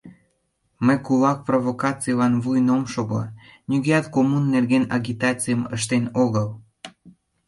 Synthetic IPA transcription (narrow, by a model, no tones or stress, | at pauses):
məkulɑk̚provokɑt͡sijlɑnvujnomʃoɣo̰nʲyɣeɑt̪komunːerɣenɑ̰ɡʲit̪ɑt͡sijəməʃt̪enoɣəl